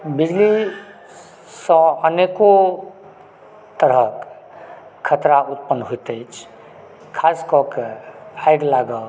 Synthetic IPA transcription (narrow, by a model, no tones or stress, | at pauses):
bid͡ʒli | sə̃əneko | t̪əɾək | kʰːət̪ɾaut̪̚pənɦoit̪əjt͡ʃʰ | kʰaskɔkaɪɡlaɡə